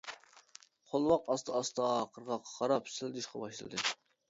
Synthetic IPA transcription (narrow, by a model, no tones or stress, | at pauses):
χolˠwɑqɑst̪ʰɨɑst̪ɑqʰəɾʁɑqʰːʁɑɾɑpʰsɪld̪yʃqɑbɑʃlˠɨ̰d̪ɨ